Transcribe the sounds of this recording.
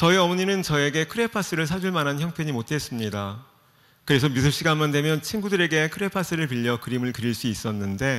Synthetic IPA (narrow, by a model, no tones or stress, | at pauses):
t͡ɕʌiʌmʌɲinɯnt͡ɕʌe̞ɡe̞kʰɯɾe̞pʰas͈ɯɾɯɭsʰad͡ʑuɭmanɦançjʌŋpʰe̞ɲimot̚t͈ʰe̞s͈ɯmɲida | kɯɾe̞sʰʌmisʰɯɭɕ͈iɡamandwe̞mjʌnt͡ɕʰinɡudɯɾe̞ɡe̞kʰɯɾe̞pʰas͈ɯɾɯɭpiʎːʌkɯɾimɯɭkɯɾiɭs͈uis͈ʌnːɯnde̞